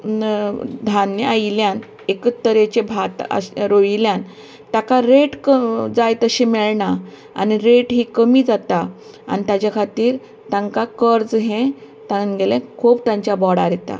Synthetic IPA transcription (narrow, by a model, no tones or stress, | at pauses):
d̪ʱanjəailjan | ekət̪ːəɾet͡ɕebʱat̪a̰ɾoiljan | t̪akaɾeʈkəd͡zajt̪əɕimɛɭɳa | a̰niɾeʈɦiːkəmiːd͡zat̪a | a̰nit̪jat͡ɕjakʰat̪iːɾ | t̪ãŋkakəɾd͡zɦẽ | t̪ãnɡelɛ̃kʰubt̪ãɲt͡ɕjabɔɽa̰ɾɛt̪a̰